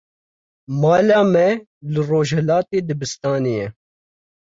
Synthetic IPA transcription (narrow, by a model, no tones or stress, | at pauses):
mɑːlɑːmɛ | lɨroːʒhɛlaːt̪eːd̪ɨbɨst̪ɑːnijɛ